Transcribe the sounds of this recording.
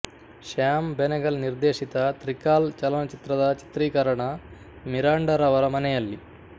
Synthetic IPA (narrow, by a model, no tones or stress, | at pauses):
ʃaːmbenɐɡɐlniɾd̪eːʂit̪ɐt̪ɾikaːlt͡ʃɐlɐnɐt͡ʃit̪ɾɐd̪ɐt͡ʃi̥t̪ɾiːkɐɾɐɳɐ | miɾaːɳɖɐɾɐʋɐɾɐmɐnɛjɐlːi